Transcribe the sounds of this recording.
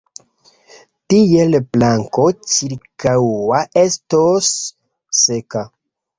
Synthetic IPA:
tijelplaŋko̞t͡ʃiɾkawaʔe̞stosː | e̞ka

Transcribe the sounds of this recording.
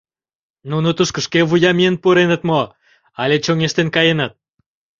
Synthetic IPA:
nunot̪əʃkə̆ʃkeβujɑmiənpuɾenət̪mo | ɑlʲet͡ɕoŋeʃt̪enkɑjenət̪̚

